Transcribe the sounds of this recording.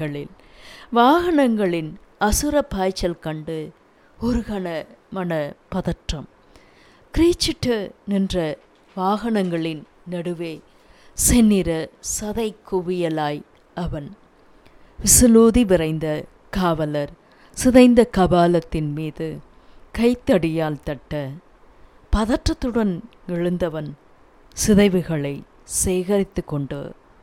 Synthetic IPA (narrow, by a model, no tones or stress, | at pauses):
ɐɭɪ̰l | ʋaːɣɐɳɐŋɡɐɭɪnɐsɯɾɐpːaːjt͡ʃːɐlkɐɳɖɯ | ɔɾɯɣɐnɐmɐnɐpɐðɐʈrɐm | kɾiːt͡ʃːɪʈːɐnɪndrɐ | ʋaːɣɐɳɐŋɡɐɭɪn | nɐɽɯʋeː | sɛnːɪɾɐsɐðɐɪkːʊʋɪjɐlaːj | ʔɐʋɐn | ʋɪsɯloːðiʋɪrɐɪnd̪ɐ | kaːʋɐlɐɾ | sɪðɐɪnd̪ɐkɐbaːlɐt̪ːɪnmiːðɯ | kɐɪt̪ːɐɽɪjaːlt̪ɐʈːɐ | pɐðɐʈrɐt̪ːɯɽɐn | ɛɻɯnd̪ɐʋɐn | sɪðɐɪʋɯɣɐɭɐɪ | seːɣɐɾɪt̪ːɯkːɔɳɖɯ̰